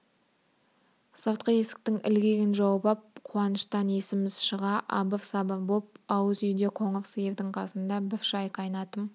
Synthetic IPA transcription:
sɑwt̪qəe̞sɪ̥k̚t̪ɪŋɪ̰lɡʲe̞ɡʲɪnʒɑwbɑp̚qʰuɑnəʃt̪ɑne̞sɪmɪzʃəʁɑʔɑ̰bəfsɑbəbop̚ɑwəzʏjd̪e̞qʰoŋofsɨjevd̪ɪɴqʰɑsənd̪ɑbɪfʃɑjqɑjnɑt̪əm

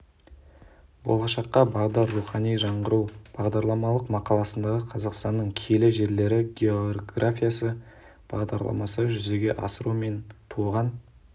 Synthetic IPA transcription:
bo̰lˠɑʃɑqːɑbɑʁd̪ɑrːuχɑnijʒɑɴʁəɾuwb̥ɑʁd̪ɑɾlˠɑmɑlˠəqmɑqɑlˠɑsənd̪ɑʁəqʰɑzɑqst̪ɑnːəɴkʲʰelɪʒe̞ɾle̞ɾɪɡʲeoɡrafʲijasə | b̥ɑ̰ʁd̪ɑ̰ɾlˠɑ̰mɑ̰səʒʏze̞ɡʲe̞ʔɑ̰səɾume̞nt̪ʰuʁɑn

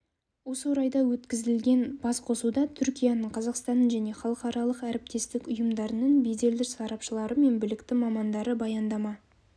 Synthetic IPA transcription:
wo̞səwoɾɑjd̪ɑwɵt̪kʲɪzɪlɡʲe̞nb̥ɑsqʰo̞sud̪ɑt̪ʰʏɾkʲijanəɴqʰɑzɑqst̪ɑnːəɴʒæne̞χɑlˠəqɑɾɑlˠəqæɾɪp̚t̪e̞st̪ɪkʲʊjəmd̪ɑɾənəɴbejd̪e̞ld̪ɪɾsɑɾɑpʃəlˠɑɾəme̞nbɪlɪkt̪ɪmɑmɑnd̪ɑɾəbɑjɑnd̪ɑmɑ

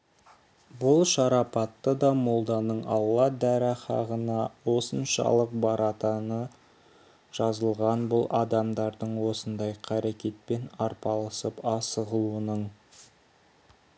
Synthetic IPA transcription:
bʊlˠʃɑɾɑpɑt̪ːəd̪ɑmo̞lˠd̪ɑnəɴɑlˠːɑd̪æɾɪχɑ̰ʁənɑwo̞sənʃɑ̰lˠəq̚bɑɾɑt̪ɑnə | ʒ̥ɑzəlˠʁɑnbʊlˠʔɑd̪ɑmd̪ɑɾd̪əɴwo̞sənd̪ɑjqʰɑɾekʲe̞t̪̚penɑɾpɑlˠəsəpɑsəʁəlˠuənəɴ

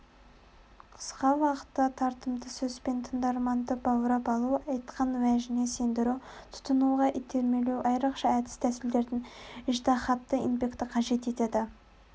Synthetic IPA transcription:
qʰə̥sqɑwɑqə̥t̪ːɑt̪ʰɑɾt̪əmd̪əsɵzpe̞nt̪ʰənd̪ɑɾmɑnd̪əbɑwɾɑpɑlˠuɑjt̪qɑnwæʒɪne̞se̞nd̪ɪɾuw | t̪ʰʊ̥t̪ənuʁɑʔit̪ʰe̞ɾme̞lewʔɑjɾɑqʃɑæd̪ɪst̪ʰæsɪld̪e̞ɾd̪ɪnɪʒt̪ɑχɑt̪ːəinpʲe̞kt̪ɪqʰɑʒe̞t̪e̞t̪e̞d̪ɪ

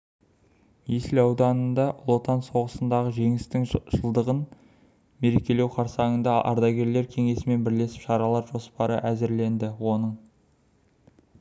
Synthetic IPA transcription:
mesɪlɑwd̪ɑnənd̪ɑʔlˠo̞t̪ɑnso̞ʁəsənd̪ɑʁəʒe̞ŋɪst̪ɪŋʒəlˠd̪əʁən | me̞ɾe̞kʲe̞le̞wqʰɑɾsɑŋənd̪ɑʔɑ̰ɾd̪ɑɡʲe̞ɾle̞ɾkʲʰe̞ŋe̞sɪme̞nbɪɾle̞sɪ̥pʃɑɾɑlˠɑɾʒo̞spɑɾəʔæzɪɾle̞nd̪ɪwo̞nəɴ

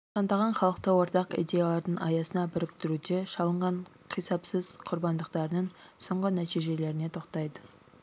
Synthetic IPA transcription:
t̪ʰɑnd̪ɑʁɑnχɑlˠəq̚t̪əwo̞ɾt̪ɑqḭjd̪ʲe̞jalˠɑɾd̪əɴɑ̰jɑsənɑbʏɾɪkt̪ɪɾud̪e̞ʃɑlˠəɴʁɑɴqʰijsɑpsəzqʰʊɾbɑnd̪əqt̪ɑɾənəɴso̞ɴʁənæt̪ijʒe̞le̞ɾɪne̞t̪ʰo̞qt̪ɑjd̪ə

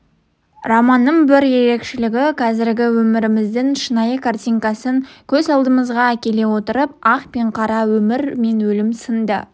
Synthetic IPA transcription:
rɑmɑnːəɴbɪɾje̞ɾe̞kʃɪlɪɡʲɪqʰɑzɪɾɡʲɪwɵmɪɾɪmɪzd̪ɪnʃənɑjəkʰart̪ʲijŋkɑsəŋkʲʰɵzɑlˠd̪əməzʁɑækʲe̞le̞wo̞t̪əɾəp̚ɑqpe̞ɴqʰɑɾɑwɵmɪɾme̞nwɵlɪmsənd̪ə̰

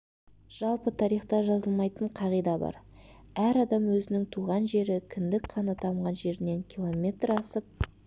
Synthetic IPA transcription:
ʒ̥ɑlˠpət̪ʰɑɾijχt̪ɑʒɑzəlˠmɑjt̪əɴqʰɑʁijd̪ɑbɑ̰ɾ | æɾɑd̪ɑmwɵzɪnɪŋt̪ʰuʁɑnʒe̞ɾɪkʲʰɪnd̪ɪkqʰɑnət̪ʰɑmʁɑnʒe̞ɾɪne̞ŋkʲilˠo̞mʲe̞t̪rɑsəp̚

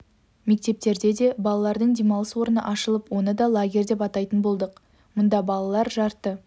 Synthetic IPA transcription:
me̞k̚t̪e̞p̚t̪e̞ɾd̪e̞d̪e̞bɑlˠɑlˠɑɾd̪əɴd̪emɑlˠəswo̞ɾənə̰ʔɑʃəlˠəpwo̞nəd̪ɑlˠaɡʲe̞ɾd̪e̞pɑt̪ɑjt̪ənbo̞lˠd̪əq | mʊnd̪ɑbɑlˠɑlˠɑɾʒɑɾt̪ːə

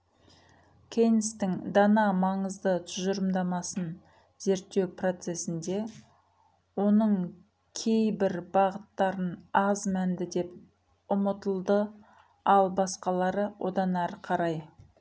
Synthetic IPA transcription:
kʲʰe̞nɪst̪ɪŋd̪ɑnɑmɑɴəzd̪ət̪ʰʊʒəɾəmd̪ɑmɑsən | ze̞ɾt̪ːe̞wpro̞t̪se̞sɪnd̪e̞ | wo̞nəɴ | kʲʰe̞jbɪɾbɑʁət̪ːɑɾənɑzmænd̪ɪd̪e̞p̚ | ʊmət̪əlˠd̪ə | ɑlˠbɑsqɑlˠɑɾəwʔo̞̰d̪ɑnæɾqʰɑɾɑj

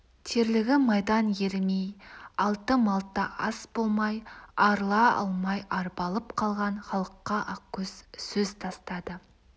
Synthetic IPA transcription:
t̪ʰeɾlɪɡʲɪmɑjd̪ɑnjeɾmejɑlˠt̪əmɑlˠt̪ːɑʔɑsb̥o̞lˠmɑjɑɾlˠɑɑ̰lˠmɑjʔɑɾbɑlˠəpqʰɑlˠʁɑnχɑlˠəqːɑʔɑkʲːɵz̥sɵzt̪ʰɑst̪ɑd̪ə

